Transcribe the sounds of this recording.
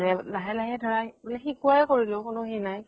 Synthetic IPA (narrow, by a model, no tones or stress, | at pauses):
lɛnaɦɛlaɦɛdʱɔɹajbulɛxikuaɛkoɹilʊ̃kʊnʊxinaj